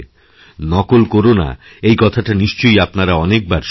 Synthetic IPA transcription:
nɔkolkoɾona̰ | ejkɔt̪ʰaʈaniʃt͡ɕojapnaɾaɔnek̚baɾʃ

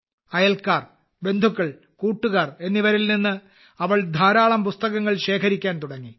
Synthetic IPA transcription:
ɐjɐlkaːr | be̞nd̪ʱukːɐɭ | kuːʈːuɣaːre̞nːiʋɐɾilninːɨ | ɐʋɐɭd̪ʱaːɾaːɭɐmpust̪ɐɣɐŋːɐɭɕe̞ːkʰɐɾikʲːaːnt̪uɽɐŋːi

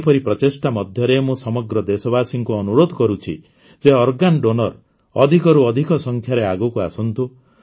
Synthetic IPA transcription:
pɔɾipɾɔtesʈamɔd̪ʱjɔɾemũsɔmɔɡɾɔd̪esɔbasiŋkuɔnuɾod̪ʱɔkɔɾut͡ʃʰḭ | d͡ʒeɔɾɡanɖonɔɾ | ɔd̪ʱikɔɾuɔd̪ʱikɔsɔŋkʰjaɾeaɡukuasɔnt̪u

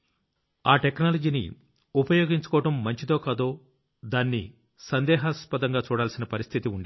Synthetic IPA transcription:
aːʈeknaːlɐd͡ʒiːnḭ | upɐjo̞ːɡiɲt͡ʃu̥kɔːɐʈɐmːɐɲt͡ʃit̪o̞ːkad̪oː | d̪aːnːḭ | sɐnd̪ɛːɦɐspɐd̪ɐŋɡaːt͡ʃuːɽaːlsinɐpɐɾist̪ʰit̪iuɳɖi

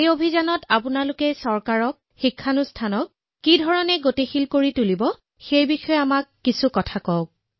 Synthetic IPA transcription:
ejobʱizanɔtapʊnalʊkɛsɔɹkaɹɔk̚xikʰːanustʰanɔk̚ː | idʱɔɹɔnɛɡotexilkoɹitulibɔ | xejbixɔjamakːisukɔtʰakɔʊk̚

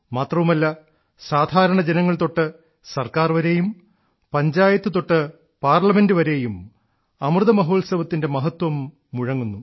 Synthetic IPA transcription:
maːt̪rɐʋumɐlːɐ | saːd̪ʱaːɾɐɳɐd͡ʑenɐŋːɐɭt̪o̞ʈːɨ | sɐrkaːrʋɐɾe̞ːjum | pɐɲd͡ʑaːjɐt̪ːɨt̪o̞ʈːɨ | paːrlɐme̞ndɨʋɐɾe̞ːjum | ɐmrɨðɐmɐɦo̞ːlsɐʋɐt̪ːinde̞mɐɦɐt̪wɐmː | uɻɐŋːunːu

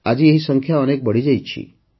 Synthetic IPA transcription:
ad͡ʑieɦisəŋkʰjaənek̚bəɽ̤id͡ʑajt͡ɕʰḭ

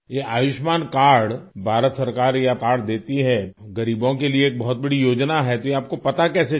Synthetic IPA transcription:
jeʔaːjʊʃmaːnkaːɾɽbʱaːɾət̪sɐɾkaːɾjakaːɾɽd̪eːt̪iɦɛɡɐɾiːbõkelieeːk̚bɐɦʊt̪̚bɐɽijoːd͡ʒnaɦɛt̪ojeaːp̚kopɐt̪akɛːse

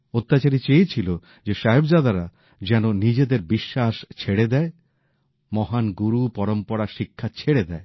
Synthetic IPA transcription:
ot̪ːat͡ɕaɾit͡ɕejt͡ɕʰilo | d͡ʑeʃaɦebd͡ʑad̪aɾa | d͡ʑɛnonid͡ʑed̪eɾbiʃːaʃt͡ɕʰeɽed̪ɛe | mɔɦanɡuɾupɔɾompɔɾaʃikʰːat͡ɕʰeɽed̪ɛe

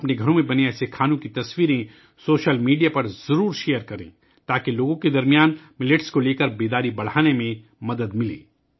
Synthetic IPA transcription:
ɐpneɡʱɐɾõmẽbɐneɛːsekʰaːnõkit̪ɐswiːɾẽ | soːʃəlmiːɖijapɐɾzɐɾuːɾʃeːjəɾkɐɾḛ̃ː | t̪aːkeloːɡõked̪ɐɾmijaːnmɪlɪʈskoleːkəɾbeːd̪aːɾibɐɽ̤aːnemẽ | mɐd̪əd̪mɪlḛ̃ː

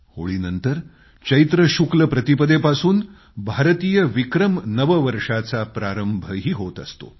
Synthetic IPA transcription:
ho̰ɭiːnənt̪əɾ | t͡ɕəjt̪ɾəɕukləpɾət̪ipəd̪epasuːn | bʱaɾt̪iːjəʋikɾəmnəʋəʋəɾʂat͡sapɾaɾəmbʱəɦiːɦot̪əst̪o̰

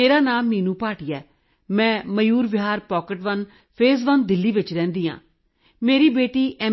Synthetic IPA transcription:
eːɾaːnaːmːiːnũːpaːʈiːɛː | mɛ̃ːməjuːɾʋɪɦaːɾpɔːkəʈʋən | pʰeːzʋənd̪ɪlːiːʋɪt͡ʃɾɛ̃ːnd̪iːã̰ː | meːɾiːbeːʈiːʔɛː

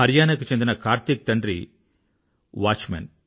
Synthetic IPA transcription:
ɐɾjaːnɐkut͡ʃe̞nd̪inɐkaːɾt̪ik̚t̪ɐɳɖɾḭ | ʋaːt͡ʃmɐ̰n

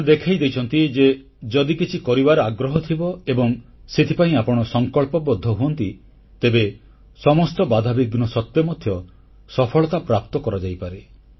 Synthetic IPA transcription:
d̪ekʰajd̪ejt͡ʃʰɔnt̪id͡ʒe | d͡ʒɔd̪ikit͡ʃʰikɔɾibaɾɔaɡɾɔɦɔt̪ʰibɔebɔŋset̪ʰipaĩapɔɽ̃ɔsɔŋkɔɭpɔbɔd̪ʱːɔɦuɔnt̪i | t̪ebe | sɔmɔst̪ɔbad̪ʱabiɡnɔsɔt̪ːjɔmɔd̪ʱjɔ | sɔpʰɔɭɔt̪apɾap̚t̪ɔkɔɾɔd͡ʒajpaɾe

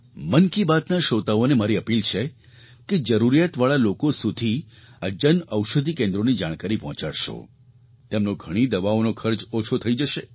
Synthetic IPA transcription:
mənkibat̪naʃot̪aonemaɾiəpilt͡ʃʰe | ked͡ʒəɾuɾijat̪ʋaɭalokosud̪ʱi | ad͡ʒənəwʃəd̪ʱikẽnd̪ɾonid͡ʒaɽ̃kaɾipɔɦɔ̃t͡ʃaɽʃo̰ | t̪emnoɡʱəɽ̃id̪əʋaonokʰəɾd͡ʒot͡ʃʰot̪ʰəid͡ʒəʃe

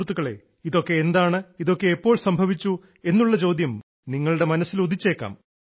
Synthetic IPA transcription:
rt̪ːuɣɐɭe̞̰ | iðo̞kːe̞ːnd̪aːɳɨiðo̞kːe̞ːpːoːɭsɐmbʱɐʋit͡ɕːu | e̞nːuɭːɐt͡ɕo̞ːd̪ʱjɐm | niŋːɐɭuɽe̞mɐnɐsːiloit͡ɕːe̞ːkːa̰ːm

